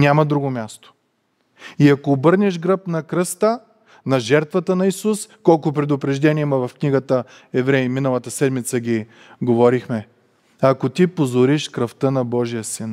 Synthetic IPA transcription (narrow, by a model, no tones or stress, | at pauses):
nʲamɐd̪ɾuɡomʲast̪o̥ | iɐkoːbɤɾnʲɛʒɡɾɤpnɐkɾəst̪ə | nɐʒɛɾt̪vɐt̪ənɐisuskɔlˠkʊp̬ɾɛd̪ʊpɾɛʒd̪ɛniɛmɐvɐfkniɡət̪ə | ɛvɾɛiminəlˠɐt̪əsɛd̪mit̪səɡʲi | ɡovɔɾixmɛ | ɐkot̪ipozoɾiʃkɾɐft̪ənɐbɔʒijəsin